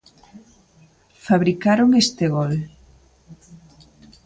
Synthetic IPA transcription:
faβɾikaɾoŋest̪eɣol

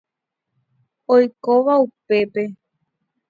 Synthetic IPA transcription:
ojkoʋaupe̞pe̞

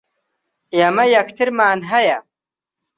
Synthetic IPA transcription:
jɐmɐjɐkʰt̪ʰiɾmaːnɦɐja

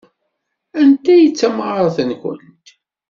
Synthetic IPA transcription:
ænt̪æjət͡sːæmʁɾˤθənçə̰nt̪

